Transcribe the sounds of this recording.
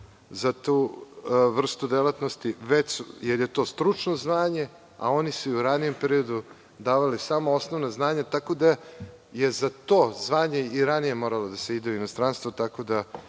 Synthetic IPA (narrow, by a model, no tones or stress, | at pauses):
zat̪u | ʋr̩st̪ud̪elat̪nost̪iʋet͡ɕjeɾjet̪o̞ːst̪ɾut͡ʂno̞zʋaːɲe̞ | a̰o̞nisuuɾanije̞mpeɾio̞d̪u | d̪aːʋalisamoo̞sno̞ʋnaznaːɲat̪ako̞d̪a | je̞zat̪o̞ːzʋaːɲe̞iɾanije̞mo̞ɾalo̞d̪aseid̪einost̪ɾanst̪ʋot̪ako̞d̪a